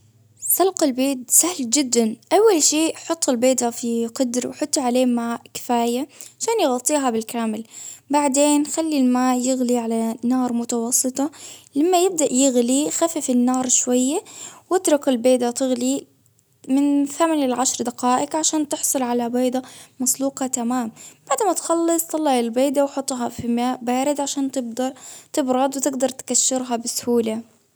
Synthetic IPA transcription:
sˤɑlqalbeːt̪sahld͡ʒɪd̪ːanʔawːalʃeːʔħʊt̪ˤːɪlbeːd̪afiqʊd̪ɾwħʊt̪ˤːʕaleːmaːʔkɪ̥faːjaʕaʃaːnjɪɣɑt̪ˤːiːɦabɪlkaːmɪlbaʕd̪eːnxalːilmaːʔjɪɣliʕalanɑːɾˤmʊt̪ɑwɑsˤːɨt̪ˤɑlamːajɪb̚d̪aʔjɪɣlixafɪfɪnːɑːɾˤʃwajːawɪt̪ɾʊkɪlbeːd̪at̪ɪɣli | mɪnθamalɪlʕaʃɾˤd̪aqaːʔɪɡʕaʃaːnt̪ɪħsˤʊlʕalabeːd̪amɑsˤluːqɑt̪amaːmbaʕd̪mat̪xɑlːɨsˤt̪ˤɑlːɑʕalbeːd̪awħʊt̪ˤːɦɑfimaːʔbaːɾɪd̪ʕaʃaːnt̪ɪb̚d̪ɑɾˤt̪ɪbɾˤɑd̪ˤwt̪ɪɡd̪ɑɾˤt̪kaʃːɪɾɦɑbɪsʊhuːla

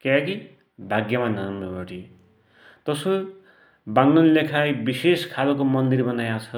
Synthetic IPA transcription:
kaki | bʱaɡjʌmananoboʈi | t̪ʌso | baŋnunlekʰajbiseskʰalokomʌnd̪irbʌnajat͡sʰʌ

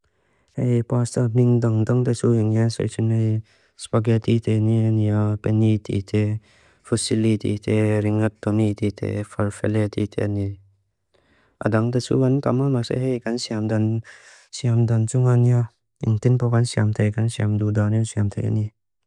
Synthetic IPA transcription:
hejpast̪aniŋdaŋd̪aŋt̪esuiŋjansḛsʰinej | spaɡet̪it̪ʰenianijɔpenit̪ḭt̪ʰe | fʰəsilit̪ḭt̪ʰeɾiŋat̪ːonit̪it̪ʰḛfʰaɾfelet̪ḭt̪ʰḛani | ʔa̰daŋt̪esṵkankamamasḛɦejkansiamdan | siamdant͡ʃuŋaniɔ | iŋt̪inpakansiamt̪ʰejkansiamdudaniɔsiamt̪ʰejʔa̰ni

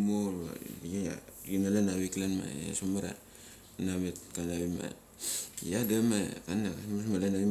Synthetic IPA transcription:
molba̰jaa̰ɡinalanaβiklanma̰a̰somaɾa̰ | nametkanaβima̰ | jadamakanakasmasmalanaβi

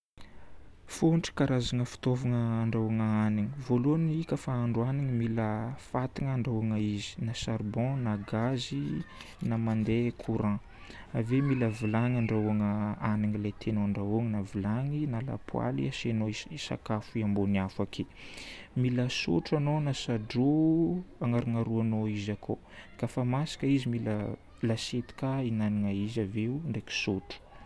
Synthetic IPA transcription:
foɳʈ͡ʂə̥kaɾazaŋəfi̥t̪ovaŋəːɳɖ͡ʐawaŋəaniŋivoluanikəfaaɳɖ͡ʐuaniŋimiləfat̪iŋəɳɖ͡ʐawaŋəizi̥nasaɾbɔ̃naɡazi | namand̪ekʰuɾã | avemiləvilaŋaɳɖ͡ʐauaŋəanaŋilat̪ʰenoɳɖ͡ʐaoŋnavilaŋinala̰pʰwa̰lḭasenoiisa̰kafuiamboniafakʰe | miləso̰ʈ͡ʂanonasaɖ͡ʐo | aŋaɾuŋaɾuanoizakʰo | kafamasi̥kəizimilə | laset̪i̥kainaniŋaizaveuɳɖ͡ʐeki̥soʈ͡ʂu̥

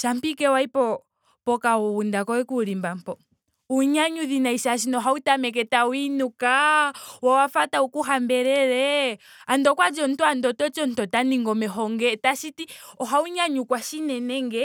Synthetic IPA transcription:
t͡ʃam̩pikɛwaipɔ | pɔkauβundakɔwɛkuɾimbam̩pɔ | uɲaɲuðinaisaʃ̬inɔɦautamɛk̬ɛtawinukawawafataukuɦambɛɾɛɾɛ | andɔkwad͡ʒɔn̩twandɔtɔt͡ʃɔn̩tɔtaniŋɡɔmɛɦɔŋɡɛtaʃitiɔɦauɲaɲukwaʃinɛnɛŋɡɛ

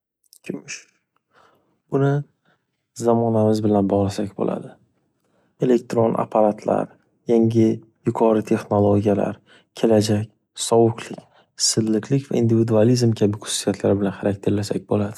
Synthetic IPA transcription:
kʲʰɪmʊʃ | bʊnɪ | zamɒnamɪzbɪlanbɒʁlˠasakʲbo̰lʔa̰d̪ɪ | e̞le̞k̚t̪ɾonʔa̰pʰaɾat̪ʰla̰ɾ | jaŋʲɪ | jʊqʰɒɾɪt̪ʰe̞χnolˠoɡʲijala̰ɾ | kʲʰe̞lad͡ʒakʲ | sɒwʊqʰlɪkʲ | sɪzlɪkʰʲlɪkʲva̰ind̪ivid̪ualizmkʲʰabɪkʰʊ̥sːjat̪ʰlaɾɪbɪlanχaɾak̚ʲt̪ʰe̞ɾlasa̰k̚ʲbolad̪̥ɪ

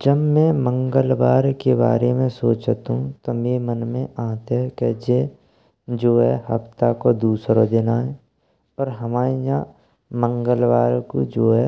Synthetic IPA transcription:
d͡ʒəbmɛ̃mə̃ŋɡəlʋaːɾkeba̰ːɾemẽsoːt͡ʃt̪ɦũt̪omeːmənmẽʔãːt̪eɦɛkɛd͡ʒe | d͡ʒoːɦɛɦə̰pt̪akod̪uːsɾod̪enaɦɛ | ɔːɾɦəmaːejã | mə̃ŋɡəlʋaːɾko̰d͡ʒoːɦɛ

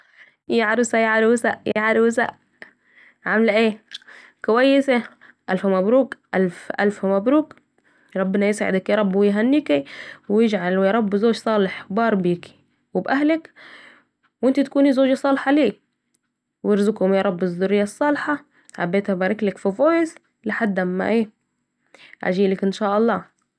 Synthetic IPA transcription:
jaʕaɾɪsajaʕaɾwsaʔjaʕaɾwsa̰ʔ | ʕamlʔeː | kʊwajːɪsa | ʔalfmæbɾuːkʔalfʔa̰lfhmæbɾuːk | ɾˤɑbːɪnajɪsʕɪ̰d̪akjɑɾˤɑbːwɪjɦænːikiwjɪd͡ʒʕalwjɑɾˤɑbːzoːʒsˤɑːlɪħbɑːɾˤbiːk | wɪbʔaɦlak | wʔɪnt̪it̪akuːnizoːʒsˤɑːlħaliː | wɪɾzʊkhʊmjɑɾˤɑbːɪzd̪ʊɾɪjːasˤːɑːlħɑ | ħa̰bːeːt̪habaːɾˤɪklɪkfifoːjɪz | laħad̪ːamːa̰ʔeː | ʕa̰ʒiːlakʔɪnʃaːʔɑlˤːɑː

